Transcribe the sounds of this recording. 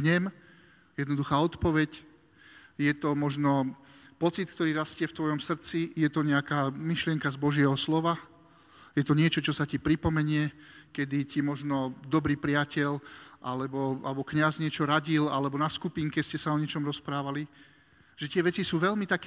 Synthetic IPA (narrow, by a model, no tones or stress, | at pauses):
ɲɛm | jɛd̪nɔd̪uxaːɔt̪pɔʋɛc | jɛt̪ɔmɔʒnɔpɔt͡sit̪̚k̚t̪ɔɾiːɾascɪɛft̪ʋɔjɔmsr̩t͡sijɛt̪ɔɲɛakaːmiʃlɪɛŋkazbɔʒɪɛɦɔslɔʋa | jɛt̪ɔɲɪɛt͡ʃɔt͡ʃɔsacipɾipɔmɛɲɪɛkɛd̪icimɔʒnɔd̪ɔbɾiːpɾɪacɛʎʔalɛbɔalɛbɔkɲazɲɪɛt͡ʃɔɾaɟilalɛbɔnaskupiːŋkɛscɛsaɔɲɛt͡ʃɔmɾɔspɾaːʋali | ʒ̥ɛt̪ɪɛʋɛt͡sisuːʋɛʎmit̪ak